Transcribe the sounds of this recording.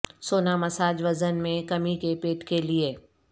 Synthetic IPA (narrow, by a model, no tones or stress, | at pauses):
soːnamɐsaːd͡ʒʋɐzənmẽkɐmikepeːʈkelie